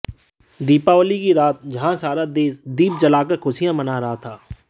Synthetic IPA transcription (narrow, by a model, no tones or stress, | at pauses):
d̪iːpaolikiɾaːt̪̚d͡ʒɐɦãsaːɾad̪eːsd̪iːp̚d͡ʒɐlaːkəkʰʊʃijãmɐnaɾɐɦat̪ʰaː